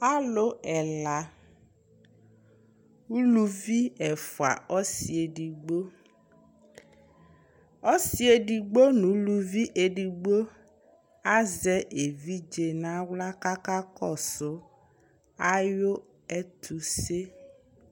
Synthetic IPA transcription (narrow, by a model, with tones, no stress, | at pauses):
a˦lʊ˦ɛ˨la˨ | u˦lu˦vi˦ɛ˨fʊ˨a̰˨ɔ˦si˨e˨di˨ɡ͡bo˦ | ɔ˦si˦e˨di˨ɡ͡bo˦nũ˨˦lu˦vi˦ʔe˨ɖi˨ɡ͡bo˦ | a˦zɛ˨ʔe˨vi˦d͡ʒe˨nã˦wla˦ka˦ka˦kɔ˦˨sʊ˦ | a˦jo˦ | ɛ˦t̪ʰu˨se˦